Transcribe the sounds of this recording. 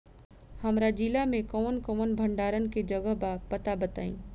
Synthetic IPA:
hɐmɾad͡ʒilamẽkɔːnkɔːnbʱə̃ɳɖaːɾənked͡ʒɐɡəɦbapɐt̪abɐt̪a̰ːḭ̃ː

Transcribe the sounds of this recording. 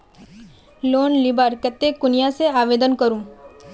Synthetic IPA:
loːnlɪbaɾkɛt̪ːekʊnijaseaːʋeːd̪ənkɐɾũ

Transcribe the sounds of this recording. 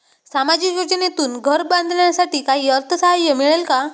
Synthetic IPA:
samad͡ʑikjod͡ʑnet̪uːnɡʱəɾbãnd̪ʱɳjasaʈiːkaɦiːəɾt̪ʰəsajəmiɭelka

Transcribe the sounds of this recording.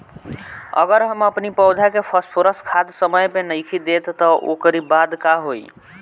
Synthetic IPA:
ə̰ɡəɾɦəməpnipəwd̪ʱakepʰəspʰoɾəskʰad̪səməjpenəjkʰid̪et̪ːɔʔo̰kəɾibad̪kaɦoj

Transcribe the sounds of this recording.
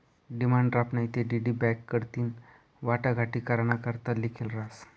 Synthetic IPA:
ɖimaɳɖɾapnait̪eɖiɖibɛkːəɽt̪iːn | ʋaʈaɡʱaʈiːkaɾnakəɾt̪alikʰilɾas

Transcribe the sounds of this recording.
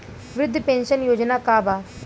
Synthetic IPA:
ʋɾʊd̪ʱːəpẽnɕənjod͡ʑnakaba

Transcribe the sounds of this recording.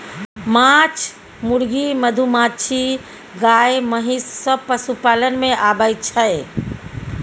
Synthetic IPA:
mat͡ʃʰ | muɾɡiməd̪ʱumat͡ʃʰi | ɡajməɦisːəpəsupalənmẽʔabəjt͡ʃʰəe

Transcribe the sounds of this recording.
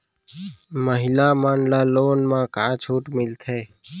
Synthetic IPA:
məɦɪlaːmaːnlaːloːnmãːkaːt͡ʃʰuːʈmɪlt̪ʰeː

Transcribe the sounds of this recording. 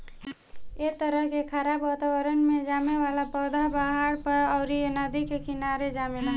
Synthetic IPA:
et̪əɾəɦkekʰaɾabʋat̪abəɾənmed͡ʒameʋalapəd̪ʱabaɦaɽpəɾəʊɾienəd̪ikekinaɾed͡ʒamela

